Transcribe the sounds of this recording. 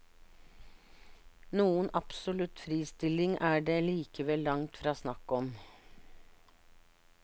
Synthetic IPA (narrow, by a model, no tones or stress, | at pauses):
nuːənʔɑpsʊlʉt̪fɾiːst̪ɪlɪŋʔæːɖeːliːkəʋɛlːɑŋt̪fɾɑːsnɑkɔm